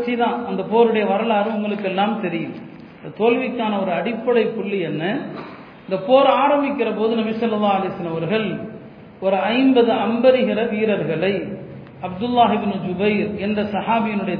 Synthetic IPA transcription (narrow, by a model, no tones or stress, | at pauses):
t͡ʃːiðãːɐnd̪ɐpoːɾɯɽɐjɐʋɐɾɐɭaːɾɯʊŋɡɐɭɯkːɛlːaːmt̪ɛɾɪjɯm | ɪnd̪ɐt̪oːlʋɪkːaːnɐɔɾɯɐɽɪpːɐɽɐɪpːʊɭːiɛnːɐ | ɪnd̪ɐpoːɾaːɾɐmbɪkːɪrɐpoːðɯnɐbɪsɐlːɐlːaːɐlɐɪsɐlːɐmɐʋɐɾɣɐɭ | ɔɾɯɐɪmbɐðɯɐmbɐɾɯɣɪrɐʋiːɾɐɾɣɐɭɐɪ | ɐbd̪ʊlːaːɦɪbɪnɯd͡ʒʊbɐɪɾɛnd̪ɐsɐhaːbɪjɪnɯɽɐjɐ